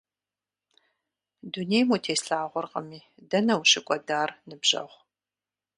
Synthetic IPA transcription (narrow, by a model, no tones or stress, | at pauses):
duneːjmutʰeːsɬaːʁʷʊrqɐmiː | dɐnɐwʃɪkʷʼɔdaːrnɨbʑɐ̰ʁʷ